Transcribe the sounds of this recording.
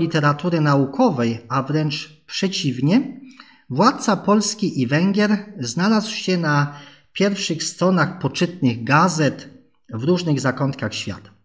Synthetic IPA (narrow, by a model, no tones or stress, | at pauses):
lʲit̪ɛɾat̪uɾɘnaukʰɔvɛjavɾɛnt͡ʂ | pʂɛt͡ɕivɲɛ | vwat̪̚t̪sapɔlskʲiʔivɛŋɡʲjɛɾznalaswɕɛna | pʲjɛɾfʂɘxst̪ɾɔnaxpɔt͡ʂɘt̪̚nɘɣɡazɛt̪ | vɾuʐnɘɣzakɔnt̪kaxɕfʲja̰t̪ḁ